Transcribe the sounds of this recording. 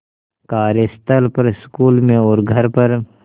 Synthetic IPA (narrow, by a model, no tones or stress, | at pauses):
kaːɾest̪əlpəɾɪskuːlmẽɔːɾɡʱɐɾpɐɾ